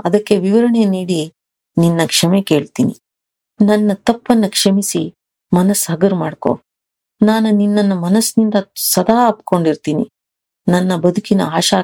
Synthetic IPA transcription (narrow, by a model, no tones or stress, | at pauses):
ɐd̪ɐkːe̞ʋiʋɐɾɐɳe̞niːɽi | ninːɐkʂɐmeke̞ːɭt̪iːnḭ | nɐnːɐt̪ɐpːɐnːɐkʂɐmisi | mɐnɐsɦɐɡɐɾmaːɽko̰ː | naːnuninːɐnːumɐnɐsnind̪ɐsɐd̪ʱaːɐpko̞ɳɖiɾt̪iːnḭ | nɐnːɐbɐd̪ʱukinɐ̰aːʃaː